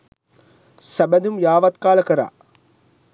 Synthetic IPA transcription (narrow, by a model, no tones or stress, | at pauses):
sɐbɐd̪umjaːʋɐt̪kaːlɐkɐɾa̰ː